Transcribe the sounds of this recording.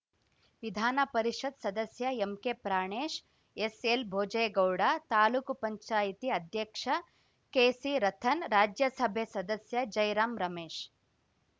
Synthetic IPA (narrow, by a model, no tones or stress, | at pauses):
ʋid̪ʱaːnɐpɐɾiʃɐd̪sɐd̪ɐsjɐemkepɾaːɳeːʃ | eselbʱoːd͡ʒɐjɡɐwɽaːt̪aːluːkupɐɲt͡ʃaːjit̪iɐd̪ʱjɐkʂɐ | keːsiɾɐt̪ʰɐnɾaːd͡ʒjɐsɐbʱesɐd̪ɐsjɐd͡ʒɐjɾaːmɾɐmeːʃ